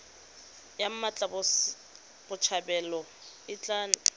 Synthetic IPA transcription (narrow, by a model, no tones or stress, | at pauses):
jam̩mat͡ɬʼabʊ | b̥ʊt͡ʃʰabɛlɔ | ɪt͡ɬʼaːn